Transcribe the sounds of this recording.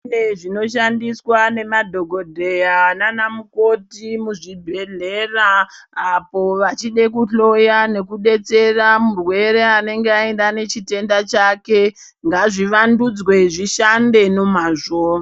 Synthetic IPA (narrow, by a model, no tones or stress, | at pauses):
eʐino̞ʃandiswane̞madʱo̞ɡʱo̞dʱe̞jananamuko̞timuʐibʱe̞ɮeːra | apo̞ʋat͡ʃiɗe̞kuɬo̞jane̞kuɗe̞t͡se̞ramurwe̞ɾe̞ane̞ŋɡeaendane̞t͡ʃite̞ndat͡ʃake̞ | ŋɡaʐiʋandud͡zwe̞ʐiʃande̞no̞maːʐo